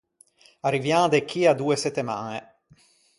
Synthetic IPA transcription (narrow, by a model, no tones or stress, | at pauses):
arivjãːd̪ekʰiad̪ueset̪ːema̰ne